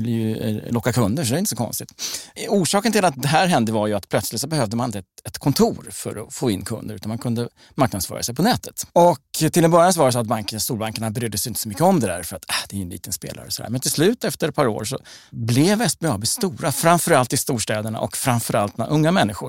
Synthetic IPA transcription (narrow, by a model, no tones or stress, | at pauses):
ɪlːəjɵlɔkːakʰɵnd̪əʂɔd̪ɛɪnt̪ːsɔkʰɔ̰nst̪ɪt̪uːʂɑːkənt̪ɪlat̪̚d̪ɛɦæɾɦɛnd̪əvaɾjɵat̪pʰlœt̪slɪt̪sɔbɛhœːvd̪əmanɪnt̪ɛt̪ɛt̪kʰɔnt̪ʰuːɾfœ̰ɾɔfoːɪnːkʰɵ̰nd̪əɾʉ̟t̪anmankʰɵnd̪ə | maɾknad̪sfœ̰ːɾʔa̰sɛɪjpʰɔnɛːt̪ət̪ɔkt̪ʰɪlɛnbœɾjans̬ɔvaɾd̪ɛs̬ɔat̪̚baŋkst̪uːlbaŋkəɳabɛɾøːd̪ːəsɛjɪnt̪ə̥sɔmʏkːəɔmd̪ɛd̪æ̰ːɾfœɾat̪ʰad̪ɛæjɵnḭːt̪ənspḛːla̰ɾəsɔd̪æ̰ɾmɛnt̪ʰɪlslʉ̟ːt̪ɛft̪əɾɛt̪pɑɾo̰ːɾʂɔ̰blɛvɛsbeɑbɪst̪uːɾafɾanfœɾalt̪ɪst̪uːʂʈɛːd̪əɳa̰ʔɔ̰kfɾanfœɾalt̪̚ːɛna̰ʔɵŋːamɛnːɪɧʊɾ